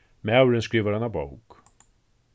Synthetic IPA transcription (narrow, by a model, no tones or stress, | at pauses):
mɛawɾənskɾiːvəɾanabuwk